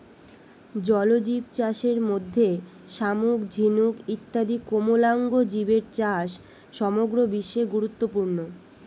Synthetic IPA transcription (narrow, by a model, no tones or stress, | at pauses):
d͡ʑɔlod͡ʑib̚t͡ɕaʃeɾmod̪ʱːe | ʃamukd͡ʑʱinukit̪ːad̪ikomolaŋɡod͡ʑibeɾt͡ɕaʃː | ɔmoɡɾobiʃːeɡuɾut̪ːopuɾno